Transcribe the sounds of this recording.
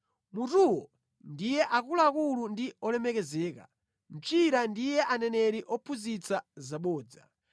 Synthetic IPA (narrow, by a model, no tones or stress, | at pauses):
mutuwɔ | ndijɛʔakulaːkulundiɔlɛmɛkɛzɛːka̰ | m̩t͡ʃiɾandijɛʔanɛnɛɾiʔɔpʰuzit͡sazaɓɔːd͡za̰